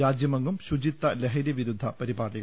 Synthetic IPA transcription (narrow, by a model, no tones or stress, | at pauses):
aːd͡ʑjɐmɐŋɡumɕud͡ʑit̪ːɐleɦɐlɐʋiɾud̪ʱːɐpɐɾibaːrɖiɣɐ